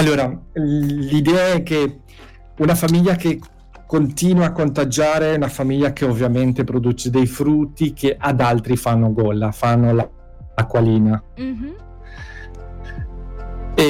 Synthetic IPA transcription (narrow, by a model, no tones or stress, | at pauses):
alːoːɾa | lid̪ɛːaɛkːe | unafamiʎːake | kːont̪iːnwakːont̪ad͡ʒaːɾeunafamiʎːak̟eovːjament̪epɾod̪uːt͡ʃed̪ejfɾut̪ːik̟eʔad̪alt̪ɾifanːoɡɔlːafanːola | akwaliːna | e